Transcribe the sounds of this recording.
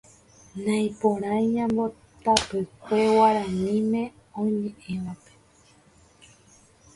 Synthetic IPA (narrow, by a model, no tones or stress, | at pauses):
nãj̃põɾ̃ãjɲãmbo̞ | t̪apɨkʷewaɾãɲĩmẽ̞ | õj̃mẽʔẽʋãpe